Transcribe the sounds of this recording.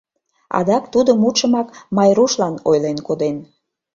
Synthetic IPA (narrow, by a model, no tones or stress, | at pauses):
ɑ̰d̪ɑkt̪ud̪əmut̪ʃəmɑkmɑjɾuʃlɑnojlenkod̪en